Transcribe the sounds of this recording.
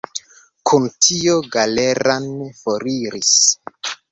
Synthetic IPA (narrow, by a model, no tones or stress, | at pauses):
kʰuntʰioɡale̞ɾanfoɾiɾis